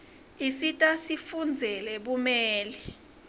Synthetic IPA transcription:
isitʼasifund͡zʱɛlɛɓumɛːli

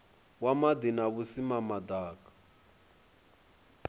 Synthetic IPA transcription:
wamad̪inaβusimamad̪aːkḁ

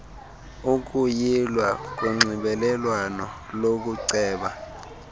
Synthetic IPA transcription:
uk̬ʼujilwak̬uŋ͡ǀʱiɓɛlɛlwanɔ | lok̬uǀɛːɓa

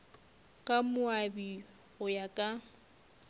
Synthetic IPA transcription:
kʼamʊabi | ɣʊjakʼa

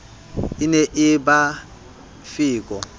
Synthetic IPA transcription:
inɛʔɪba | fiːkʼɔ

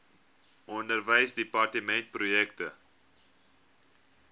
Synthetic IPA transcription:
ʔɔndərvəjsdipɑrtəmɛnt̚prujɛktə

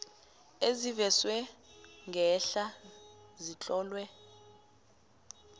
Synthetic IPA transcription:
ezivɛswɛŋɡʱɛɬazit͡ɬʼɔːlwɛ

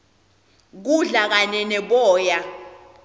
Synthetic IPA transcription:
k̬uɮak̬aɲɛnɛɓɔːja

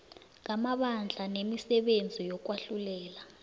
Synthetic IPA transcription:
ŋ̬amaɓand͡ɮʱanemisɛɓend͡zʱijɔk̬waɬulɛːla

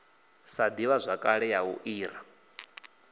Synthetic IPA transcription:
sad̪iwazʷakʼaɺɛjaṵʔiːɾa

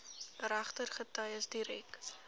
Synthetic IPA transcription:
ɾæχtərχətɐjəsdiɾɛk

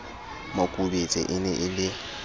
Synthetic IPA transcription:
makʼubet͡sʼɪ̰ʔɪnɛʔɪlɪ

